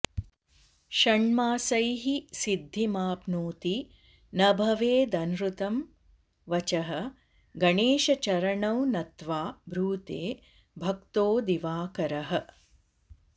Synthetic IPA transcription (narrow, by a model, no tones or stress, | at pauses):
ʃɐɳmaːsɐjɦisid̪ʱːimaːpnuːt̪i | nɐbʱɐʋeːd̪ɐnɾut̪ɐm | ʋɐt͡ʃɐɦɐ̆ | ɡɐɳeːʃɐt͡ʃɐɾɐɳɐwnɐt̪ʋaːbʱɾuːt̪eː | bʱɐkt̪oːd̪iʋaːkɐɾɐɦɐ̆